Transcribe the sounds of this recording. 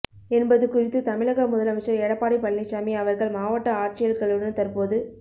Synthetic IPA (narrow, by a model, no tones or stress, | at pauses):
ɛnbɐðɯkʊrɪt̪ːɯt̪ɐmɪɭɐɣɐmʊðɐlɐmɐt͡ʃːɐɾɛɽɐpːaːɽipɐɭːɪt͡ʃːaːmiɐʋɐɾɣɐɭmaːʋɐʈːɐaːrt͡ʃɪjɐɾkɐɭɯɳːɯt̪ɐɾpoːðɯ